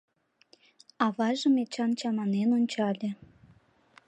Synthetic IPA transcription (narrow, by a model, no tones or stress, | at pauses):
ɑβɑʒə̆met͡ɕɑnt͡ɕɑmɑnenonʲt͡ɕɑlʲĕ